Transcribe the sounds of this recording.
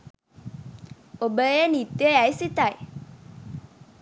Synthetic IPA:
obəjənit̪jəajsit̪aj

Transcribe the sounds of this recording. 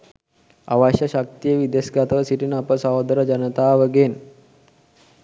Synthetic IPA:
a̰ʋaɕaɕak̚t̪ijəʋid̪eskat̪ʋəsiʈinapəsaɦod̪ɾəd͡ʑənət̪aːʋəɡen

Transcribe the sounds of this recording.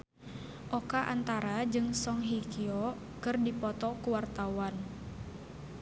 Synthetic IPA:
ʔɔkaʔa̰nt̪aɾad͡ʒɨŋsɔŋɦikiɔ | kɨrdipɔt̪ɔkuwart̪awan

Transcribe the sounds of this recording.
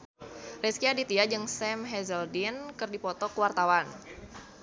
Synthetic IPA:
rɛskiadit̪iad͡ʒɨŋsɛmɦɛzəldinkɨrdipɔt̪ɔkəwart̪awan

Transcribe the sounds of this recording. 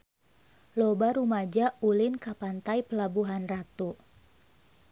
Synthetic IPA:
lɔbaɾumad͡ʒaulɪnkapant̪ajpəlabuɦanrat̪u

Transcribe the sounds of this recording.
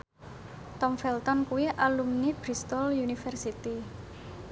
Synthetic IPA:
t̪ɔmfɛlt̪ɔnkuwiʔalumnib̥ɾist̪ɔljunifɛrsit̪i

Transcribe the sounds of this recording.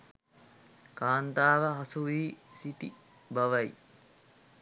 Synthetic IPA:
kaːnt̪aːʋɐɦɐsuʋiːsiʈi | bɐʋɐj

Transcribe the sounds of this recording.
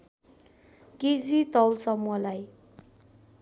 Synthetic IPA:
ked͡zit̪ʌwlsʌmuʌlaj

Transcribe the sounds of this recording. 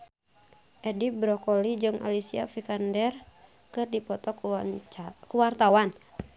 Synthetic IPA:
ʔɛdibɾɔkɔlid͡ʒɨŋʔa̰lisia̰fikandɛr | kɨrdipɔt̪ɔk | kuwart̪awan

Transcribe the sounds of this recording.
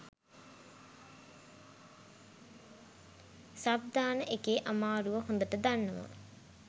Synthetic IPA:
sab̚d̪ʱaːnəʔekeːʔamaːɾuʋəɦond̪əʈəd̪anːəʋa̰

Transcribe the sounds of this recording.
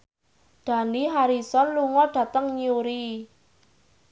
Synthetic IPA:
d̪̥ä̤niɦaɾisɔnluŋɔɖ̥ä̤t̪əŋɲiuɾi

